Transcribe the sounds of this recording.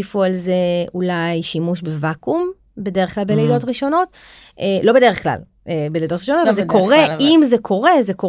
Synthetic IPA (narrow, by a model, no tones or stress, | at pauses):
ifualzeulajʃimuʃbevakum | be̞deʁeχklalbeledo̞tʁiʃo̞no̞t | ʔelo̞be̞deeχkla̰l | ebelejdo̞tʁiʃonotavalzekoʁeimzekʰo̞ʁe̞zeko